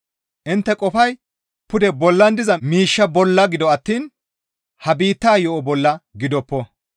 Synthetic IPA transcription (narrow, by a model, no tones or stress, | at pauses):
ʔɪnt̪ːɛkʼɔfɐj | pʊd̪ɛbɔlːɐnd̪ɪzɐmiːʃːɐbɔlːɐɡɪd̪ɔɐt̪ːiːn | hɐbiːt̪ːaːjɔʔɔbɔlːɐɡɪd̪ɔpːɔ